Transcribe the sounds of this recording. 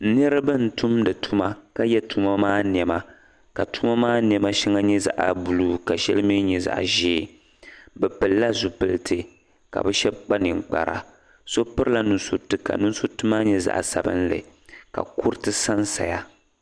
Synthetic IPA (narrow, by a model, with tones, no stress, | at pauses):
nɨ˦ɾɨ˦bɨ˦n̩˨tu˦mdɨ˨tʰu˦ma˦ka˦jɛ˦tu˦ma˦maː˦n˨ɛ˨ma˦ | ka˨tu˦ma˦maː˦n˨ɛ˨ma˦ʃi˦ŋa˦ɲɛ˦za̰˨ʔa̰˨bu˨lu˦ka˨ʃɛ˦lɨ˦mi˦ɲɛ˨za̰˨ʔa̰˨ʒeː˦˨ | bɛ˨pɨ˨lːa˦zu˨pɨ˦lɨ˦tʰɨ˦ | ka̰˨bɛ˦ʃɛ˦bk͡pa˦nɨ˨ŋk͡pa̰˨ɾa̰˨ | so˦pɨ˦ɾɨ˦la˦nu˨nsu˦tɨ˦ka̰˨nu˦n˦su˦tɨ˦maː˦ɲɛ˦za̰˦˨ʔa̰˨sa̰˨bɨ̰˦nlɨ̰˨ | ka̰˨ku˦ɾɨ˦tɨ˦sa˦nsa̰˨ja˦